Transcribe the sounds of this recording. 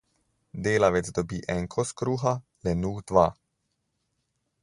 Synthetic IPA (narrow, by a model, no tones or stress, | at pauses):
d̪eːlaʋɛd̪zd̪ɔbiːʔɛŋkʰɔskɾuːxa | lɛnuːxd̪ʋa